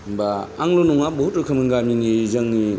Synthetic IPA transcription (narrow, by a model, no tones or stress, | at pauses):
baaŋlonɔŋabɔɦutɯkʰɯmɯŋɡaminizaŋni